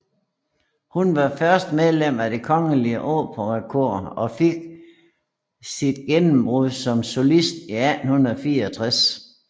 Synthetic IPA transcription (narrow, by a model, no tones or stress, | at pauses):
hunʋɑ̈fɶɐsd̥með̞ˠlem̰æde̝kʰɒ̽ŋəliəʔoːpʰɒ̽ʁkʰoɐ̰ɒ̽fe̝ɡ̥̚ | sid̥ɡ̥enm̩b̥ʁuðˠsɒ̽mso̝lisd̥iæd̥n̩hunðˠfiːɐɒt͡sʰʁas